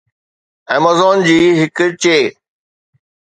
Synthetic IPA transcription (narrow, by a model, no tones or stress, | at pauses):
ɛːmaːzɔːnd͡ʑiːɦɪkʊt͡ɕeː